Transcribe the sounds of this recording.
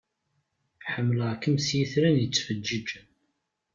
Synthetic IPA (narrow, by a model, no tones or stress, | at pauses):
ħəmːləʁkːəmsjiθɾænjət͡sːfəd͡ʒːid͡ʒən